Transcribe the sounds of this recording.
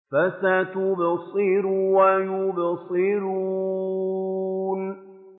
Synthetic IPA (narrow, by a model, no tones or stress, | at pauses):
fasat̪ʊbasˤɨɾuwajʊbɑsˤɨɾu | n